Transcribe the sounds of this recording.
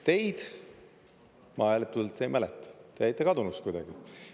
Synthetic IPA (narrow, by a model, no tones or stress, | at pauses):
t̪e̞jd̪̥ | mɑelet̪ːult̪sejmælɛt̪ːˑɑ̥t̪eejt̪ːˑekɑd̪unust̪kujd̪̥ɑ̰ɡ̥i